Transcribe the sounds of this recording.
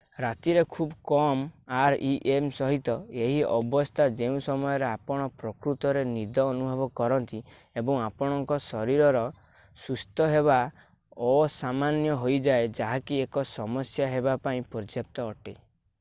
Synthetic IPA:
ɾat̪iɾekʰubkɔmaɾiʔemsɔɦit̪ɔeɦiɔbɔst̪ʰad͡ʒeũsɔmɔjɔɾeapɔɽ̃ɔpɾɔkɾut̪ɔɾenid̪ʱɔːnubʱɔbɔkɔɾɔnt̪i | ebɔŋapɔɽ̃ɔŋkɔsɔɾiɾɔɾɔ | sust̪ʰɔɦeβa | ɔsamanjɔɦojd͡ʒaed͡ʒaɦakiekɔsɔmɔsjaɦebapaĩpɔɾd͡ʒjap̚t̪ɔːʈḛ

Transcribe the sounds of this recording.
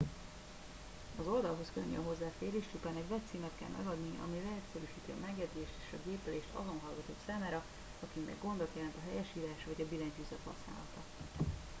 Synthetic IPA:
ɒzo̞ld̪ɒlɦo̞skøɲːø̰nɦo̞zːaːfeːɾeːʃt͡ʃupaːnɛɟvɛt̪siːmɛt̪kɛ̰lmʔɛ̰ɡɒd̪niʔɒ̰milɛɦɛt̪sɛɾyːʃiːt̪iɒ̰mɛɡjɛd̪zeːʃt̪eːʃɒɡeːpɛleːʃt̪ɒ̰zo̞nɦɒlɡɒt̪o̰ːksaːmaːɾɒ | ɒkimmɛ̰ɡːo̞nd̪ot̪jɛlɛnt̪ɒɦɛjɛʃiːlaːʃʋɒɟɒbilɛɲd͡ʒyzɛt̪hɒ̰sna̰ːlɒt̪ɒ

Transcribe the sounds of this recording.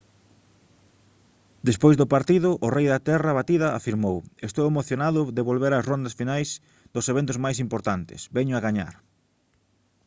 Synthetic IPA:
d̪espojzðʊpaɾt̪iðʊʔʊrɛjðat̪ɛraβat̪iðɐa̰fiɾmowest̪owemoθjonaðʊðeβolβeɾasrond̪ɐsfinajs | d̪ʊseβ̞ent̪ʊzmajsimpoɾt̪ant̪ɪ̰sbɛɲʊaɣaɲa̰ɾ

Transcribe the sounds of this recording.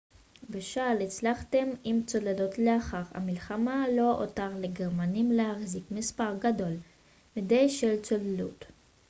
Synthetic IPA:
beʃalet͡slaχte̞mimt͡soledotleaχaʁha̰milχamalo̞o̰taʁleɡeʁmanimlehaχzikmispaʁɡado̞l | midejʃelt͡solelut

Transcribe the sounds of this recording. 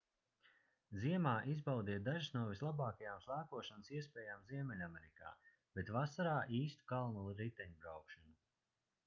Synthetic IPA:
ziɛmaːʔizbawd̪iɛd̪aʒisnuɔvislˠabaːkajaːmslˠaːkuɔʃansiɛspʲɛːjaːmziɛmɛlʲamɛɾika̰ː | b̥et̪vasaɾaːʔiːst̪u̥kalˠnulˠuɾit̪ɛɲubɾawkʃanu

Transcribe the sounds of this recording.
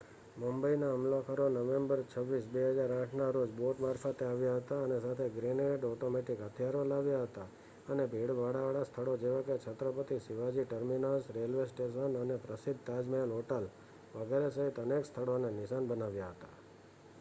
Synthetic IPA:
mumbəinaɦəmlakʰəɾonəʋembəɾt͡ʃʰəʋːisbeɦəd͡ʒaɾãʈʰnaɾod͡ʒboʈmaɾfat̪eaʋjaɦət̪aənesat̪ʰeɡɾineɖɔʈomeʈikɦət̪ʰjaɾolaʋjaɦət̪a | ənebʱiɽʋaɽaʋaɭast̪ʰəɭod͡ʒeʋaket͡ʃʰət̪ɾəpət̪isɪʋad͡ʒiʈəɾminasɾelʋesʈesənənepɾəsid̪ʱt̪ad͡ʒmelɦoʈəl | ʋəɡɛɾesəɦit̪ənekst̪ʰəɽonenɪʃanbənaʋjaɦət̪a

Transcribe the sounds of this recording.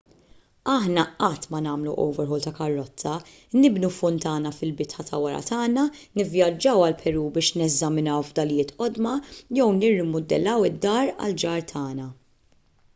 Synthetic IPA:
ɐħnɐɐt̪ːmɐnɐːmluʔɔ̰wvɛɾħɔːlt̪ɐkɐrːɔtt͡sːɐ | nɪbnufʊnt̪ɐːnɐfɪlbɪt̪ħɐt̪ʰɐwɐɾɐ̰t̪ɐːnɐnɪvjɐd͡ʒːɐwɐlpʰɛɾuːbɪːʃnɛzɐmɪnɐwvd̪ɐljɪːt̪ʔɔd̪mɐjɛwnɪrːɪmʊd̪ɛlɐwɪd̪ːɐːɾɐ̰ld͡ʒɐːɾt̪ʰɐːnɐ

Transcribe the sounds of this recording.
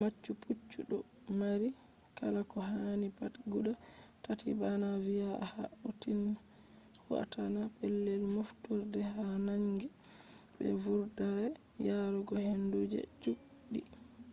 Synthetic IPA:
mat͡ʃːuput͡ʃːuɗɔ | maɾi | kalakɔɦanipatɡuɗa | tatḭbanavijaha̰utin | wwa̰tanapɛlːeɾmuftuɾdɛhanaŋɡi | ɓɛ̰vuɾdaɾɛjaɾɔɡɔhɛndod͡ʒḛd͡ʒu | ɗḭ

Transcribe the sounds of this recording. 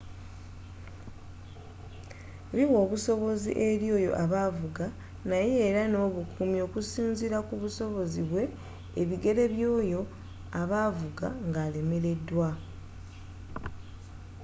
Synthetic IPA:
βiwo̞ːβuso̞βo̞zḭʔe̞ɾjo̞ːjo̞̰ʔaβavuɡa | najeːɾano̞ːβukʰumjo̞ːkusiːnziɾakuβuso̞βo̞ziβwe̞ː | βiɡe̞ɾe̞βjo̞ːjo̞ | aβavuɡaŋɡaːle̞me̞ɾe̞dːwa

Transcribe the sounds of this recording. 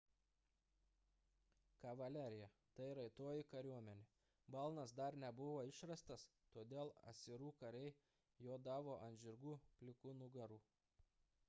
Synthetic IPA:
kɐʋɐlʲæɾʲɪjɛ | t̪ɐɪɾɐɪt̪oːjɪkɐɾʲuɔmʲɛnʲe | bɐlˠnɐsd̪ɐɾnʲɛbʊʋoːɪʃɾɐst̪ɐs | t̪oːd̪ʲeːlˠɐ̰sʲɪɾuːkɐɾʲɛɪ | joːd̪ɑːʋoːʔɐnʲʒʲɪɾɡuːpʲlʲɪkʊnʊɡɐɾuː

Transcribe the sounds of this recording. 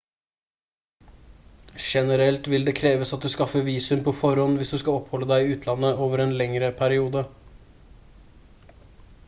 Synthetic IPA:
ʃɛnəɾɛlt̪ʋɪld̪eːkʰɾeːʋəsɑt̪̚d̪ʉskɑfəʋiːsʉmpʰɔːfɔɾhɔnʋɪsd̪ʉskɑɔphɔlːəd̪æɪɪʉːt̪ʰlɑnːəoːʋəɾeːnlɛŋɾəpʰæɾɪuːd̪ə

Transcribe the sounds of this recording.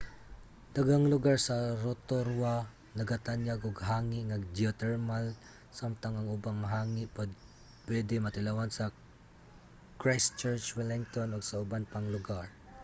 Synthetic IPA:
d̪̥aɡaŋlʊɡaɹsaɾot̪oɾwa | nɐɡat̪anjaɡʊɡɦaːŋɪʔŋaɡ̚d͡ʒiat̪ɛɹmal | samt̪aŋaŋʊbaŋɦaːŋɪʔpad̪̚ | pwɛd̪ɪmat̪ɪlawansɐ | kɹajst͡ʃɛɹt͡ʃwɛlɪŋt̪onʊɡsaʊbanpaŋlʊɡaɹ

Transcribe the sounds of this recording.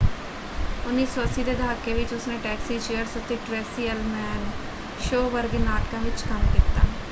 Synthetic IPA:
ʊnːiːsoːəsiːd̪eːd̪aːkːeːʋɪt͡ʃʊsnẽːʈɛːksiːt͡ʃeːəɾsʊt̪ːeːʈɾɛːsiːəlmɛːn | ʃoːʋəɾɡnaːʈkãːʋɪt͡ʃkəmkiːt̪a̰ː

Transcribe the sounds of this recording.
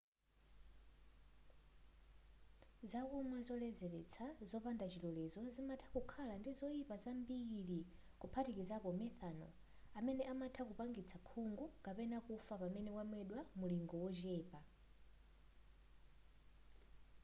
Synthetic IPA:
zakumwazɔlɛzɛɾɛt͡sʰazɔpandat͡ʃʰilɔlɛzɔzimatʰakukʰalandizɔipazambiɺi | kupʰatikizapɔmɛθanɔ̰ | amɛnɛʔamatʰak̬upaŋɡit͡sʰakʰuŋɡukapɛnakufapamɛnɛkwamwɛɗwamuliŋɡɔwɔd͡ʒɛːpa

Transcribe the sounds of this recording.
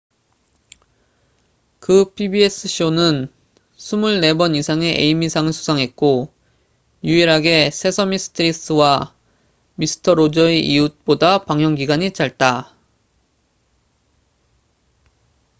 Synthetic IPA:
kɯpʰibies͈ɯɕʰionɯn | sʰumuɭːe̞bʌnisʰaŋe̞ʔḛimisʰaŋɯɭsʰu̥sʰaŋɦe̞t̚k͈o | juiɾɦaɡe̞sʰe̞sʰʌmis͈ʰɯ̥tʰɯɾis͈ɯwa | misʰɯ̥tʰʌɾod͡ʑʌeʔiut̚p͈odapaŋɦjʌŋɡiɡaɲit͡ɕaɭt̚t͈a

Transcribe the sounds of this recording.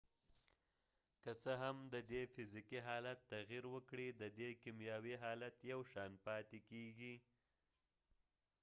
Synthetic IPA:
kəsəɦamd̪əd̪efɪzikiɦɑlat̪ːaɣiɾwəkɽid̪əd̪ekimjɑwiɦɑlat̪jawʃɑnpɑt̪ekeɡi

